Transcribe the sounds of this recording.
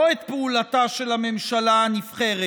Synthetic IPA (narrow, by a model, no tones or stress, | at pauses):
oet̪̚peulat̪aʃelame̞mʃalanifχeʁe